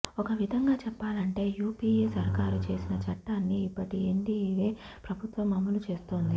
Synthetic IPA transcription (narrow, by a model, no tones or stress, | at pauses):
ɔkɐʋid̪ʱɐŋɡaːt͡ʃɛpːaːlɐɳʈe̞ːjuːpiːeːsɐɾkaːɾut͡ʃe̞ːsinɐt͡ʃɐʈːaːnːiːpːɐʈieɳɖiiʋeː | pɾɐbʱut̪ʋɐmːɐmːɐlut͡ʃe̞ːst̪oːnd̪i